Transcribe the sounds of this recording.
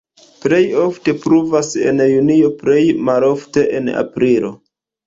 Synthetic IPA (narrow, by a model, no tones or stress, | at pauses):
ple̞jo̞fte̞pɾuvase̞̰njunio̞ple̞jmalo̞fte̞ʔena̰pɾilo̞̰